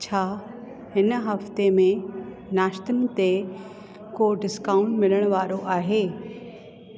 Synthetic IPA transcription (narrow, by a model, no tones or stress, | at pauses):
t͡ɕʰaː | hɪnɦɐft̪emẽ | naːʃt̪ənɪ̆t̪e | koɖɪskãːʊ̃ɳʈmɪləɽ̃ʋaːɾoʔaːɦeː